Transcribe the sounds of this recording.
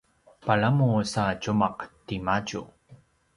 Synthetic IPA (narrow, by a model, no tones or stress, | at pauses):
paɭamusacumaqtimaɟṵ